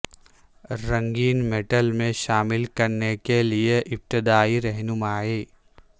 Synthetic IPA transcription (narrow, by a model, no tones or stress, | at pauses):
ɾɐ̃ŋɡiːnmeːʈəlmẽʃaːmɪlkɐɾnekelieʔɪp̚t̪ɪd̪aːiɾɛɦnʊmaːiː